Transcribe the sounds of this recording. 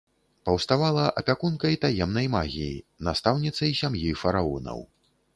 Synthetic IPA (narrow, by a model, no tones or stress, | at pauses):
pɐwst̪avalˠɐʔɐpʲakunkɐjt̪ajɛmnɐjmaɣʲijḭnast̪awnʲit̪sɐjsʲamjifɐɾaɔ̰nɐ̰w